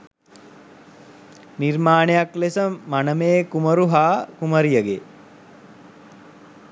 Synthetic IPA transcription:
niɾmaːnejaklesəmanəmeːkuməɾuɦaːkuməɾijəɡe

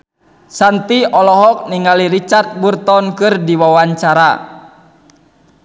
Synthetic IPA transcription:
sant̪iɔlɔɦɔk̚niŋaliɾit͡ʃart̪̚burt̪ɔnkɨrdiwawaɲt͡ʃaɾa

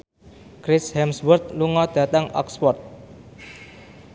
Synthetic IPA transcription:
kɾɪshɛmswərt̪̚luŋɔd̪̥ä̤t̪aŋɔ̰kspɔrt̪̚

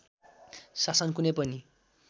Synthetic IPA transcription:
sasʌnkunepʌni

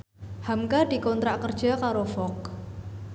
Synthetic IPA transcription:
hamkad̪̥i̤kɔnt̪ɾaʔkərd̥ʒ̥a̤kaɾofɔk̚

